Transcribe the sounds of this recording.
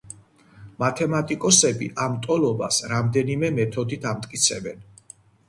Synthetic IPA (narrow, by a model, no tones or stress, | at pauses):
mat̪ʰɛmat̪ʼikʼɔsɛbḭʔamt̪ʼɔlɔbasɾamd̪ɛnimɛmɛt̪ʰɔd̪it̪ʰamt̪ʼkʼit̪sʰɛbɛ̰n